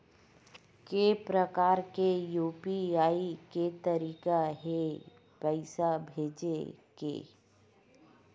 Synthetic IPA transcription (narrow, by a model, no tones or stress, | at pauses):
kepɾəkaːɾkejuːpiaːiket̪ɐɾiːkaɦe | pəɪsabʱeːd͡ʒekḛː